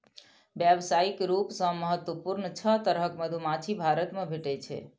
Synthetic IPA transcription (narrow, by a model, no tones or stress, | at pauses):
bjəbsaikɾupsə̃məɦət̪wəpuɾnt͡ʃʰət̪əɾɦəkməd̪ʱumat͡ʃʰibʱaɾət̪mẽbʱeʈɛt͡ʃʰɛ̰